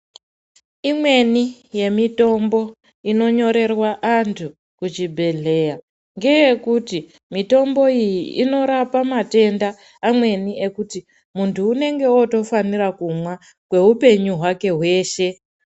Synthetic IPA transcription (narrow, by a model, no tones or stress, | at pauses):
imwe̞nije̞mito̞mbo̞ | ino̞ɲo̞ɾe̞rwaʔantʰu | kut͡ʃibʱe̞ɮe̞ja | ŋɡe̞je̞kuti | mito̞mbo̞ijiino̞ɾapamate̞ndaː | mwe̞nie̞kuti | muntʰuːne̞ŋɡe̞oto̞fanirakumwa | kwe̞ɦupe̞ɲuɦwake̞ɦwe̞ːʃe̞